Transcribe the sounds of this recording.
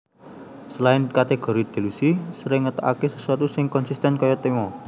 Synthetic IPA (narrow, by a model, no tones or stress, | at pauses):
səlaɪnkat̪eɡ̥ɔ̤ɾid̪̥e̤lusisəɾɪŋət̪ɔ̰ʔa̰kesə̥suwat̪usɪŋkɔnsist̪ɛnkɔjɔt̪emɔ